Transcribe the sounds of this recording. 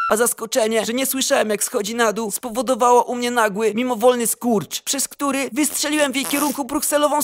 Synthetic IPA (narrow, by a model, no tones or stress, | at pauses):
azaskɔt͡ʂɛɲɛʐɛɲɛswɘʂawɛmjaksxɔd͡ʑinad̪uspɔvɔd̪ɔvawaʔumɲɛnaɡwɘmʲimɔvɔlnɘskuɾt͡ʂpʂɛskt̪uɾɘvɘstʂɛlʲiwɛmvʲjejkʲɛɾuŋkubɾuksɛlɔvɔ̃w̃